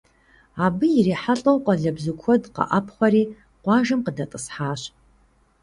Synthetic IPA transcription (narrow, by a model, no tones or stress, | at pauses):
aːbɨjɪriːħaɬʼɐwqʼɐɮɐbzɨkʷʰɔdqɐ̰ʔɐpʰχʷɐɾiː | qʷɑːʒɨmqədɐtʼəsħaːɕ